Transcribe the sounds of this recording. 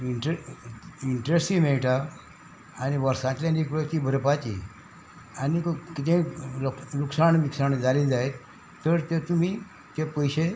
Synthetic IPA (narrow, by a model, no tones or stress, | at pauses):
iɳʈe | iɳʈɾesʈĩmeɭʈaː | ñiʋəɾsãt͡ɕljanikɾət̪iːbʱəɾpat͡ɕḭ | anikkit̪ẽlluksaɳʋiksaɳd͡zaled͡zaet̪ː | əɾt̪et̪um̤i | t̪epəjɕe